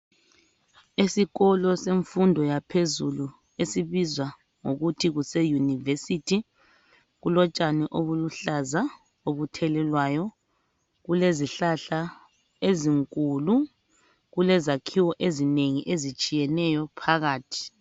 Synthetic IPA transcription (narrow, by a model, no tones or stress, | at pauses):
esiɣɔlɔseɱfundʱɔjapʰezṵlu | esiβizwa | ŋoɣutʰiɣusejunivesitʰi | ɣulɔt͡ʃʼaniʔoβuluɬaza | oβutʰɛlɛlwajɔ | ɣuleziɬaɬa | eziŋkʼulu | ɣulɛzakʰiwɔʔezineŋiʔezit͡ʃʼijɛnɛjɔpʰaɣaːtʰi̥